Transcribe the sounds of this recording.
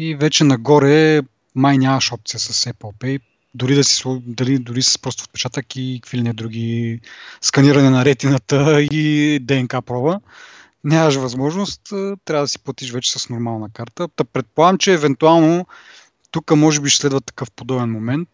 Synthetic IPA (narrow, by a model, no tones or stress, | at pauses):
ivɛt͡ʃɛnɐɡɔɾɛ | majnʲamɐʃɔp̚t̪sijəsɐsɛpəlˠpɛ | d̪ʊɾid̪ɐsi̥sud̪ɐlid̪ʊɾisɛ̥spɾɔst̪fo̥t̪̚pɛ̥t͡ʃat̪əkikfilinɛd̪ɾuɡʲi | skɐniɾɐnɛnɐɾɛt̪inət̪əid̪ɛɛnkapɾɔvə | nʲamɐʃvɐzmɔʒnost̪ət̪ːɾʲavəd̪ɐsi̥plˠɐt̪iʃvɛt͡ʃɛ̥sɐsnoɾmalˠnɐkaɾt̪əd̪ɐpɾɛt̪̚polˠaɡəmt͡ʃɛːvɛnt̪ualˠno | t̪ukəmɔʒɛbiʃslɛd̪vɐt̪ːɐ̥kɤfpod̪ɔbɛnmomɛnt̪